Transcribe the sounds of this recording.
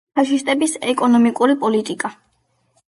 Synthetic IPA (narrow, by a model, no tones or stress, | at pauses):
aʃist̪ʼɛbisɛkʼɔnɔmikʼuɾipʼɔlit̪ʼikʼa